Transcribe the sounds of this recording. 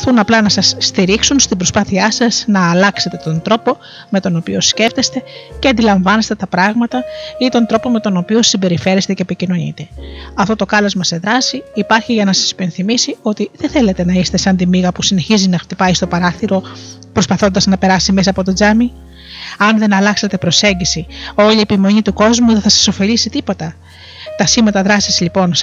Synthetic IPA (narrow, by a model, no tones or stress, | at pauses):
θunɐplɐnɐsɐsːt̪iɾiksunst̪ibɾo̞spɐθiɐsɐznɐːlɐkse̞t̪e̞t̪o̞nd̪ɾo̞po̞ | me̞t̪o̞no̞pio̞sce̞ft̪e̞st̪e̞ceɐnd̪ilɐɱvɐnest̪e̞t̪ɐpɾɐɣmɐt̪ɐit̪o̞nd̪ɾo̞po̞me̞t̪o̞no̞pio̞simbe̞ɾife̞ɾest̪e̞ce̞ːpicino̞ɲḭt̪e̞ɐft̪o̞t̪o̞kɐlɐzmɐse̞ðɾɐsiːpɐɾçiʝɐnɐsɐ̥si̥pe̞nθimisio̞t̪iðenθe̞le̞t̪e̞nɐist̪e̞sɐnd̪imiɣɐpusine̞çizinɐxt̪ipɐist̪o̞pɐɾɐθiɾo̞ | pɾo̞spɐθo̞nd̪ɐznɐpe̞ɾɐsime̞s̬ɐːpo̞t̪o̞d͡zɐmi | ɐnðe̞nɐlɐkse̞t̪e̞pɾo̞se̞ɲɟisio̞lie̞pimo̞ɲit̪uko̞zmuðeθɐsɐ̥so̞fe̞ʎisit̪ipo̞t̪ɐ | t̪ɐsimɐt̪ɐðɾɐsizʎipo̞n